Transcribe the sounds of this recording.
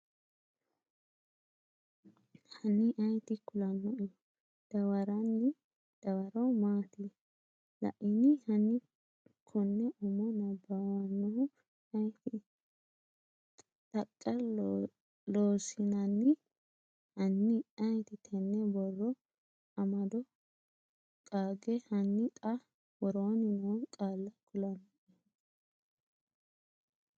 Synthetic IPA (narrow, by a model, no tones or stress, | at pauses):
hɐnɪʔɐjt̪ɪkʊlɐnːɔʔɪjɔ | d̪̥ɐwɐɾɐnːɪ | d̪̥ɐwɐɾɐwmaːt̪ɪ | lɐ̰ʔɪnɪhɐnɪ | kʰɔnːɛʔʊmɔnɐbɐwɐnːɔhʊ | ɐjt̪ɪ | t̪ʼɐkʼːɐ | loːsɪnɐnːɪ | hɐnːɪɐjt̪ɪt̪ʰɛnːɛbɔrːɔ | ɐmɐd̪ɔ | kʼaːɡɛhɐnːɪt̪ʼɐ | wɔɾoːnɪnonkʼaːlːɐkʰʊlɐnʔɛ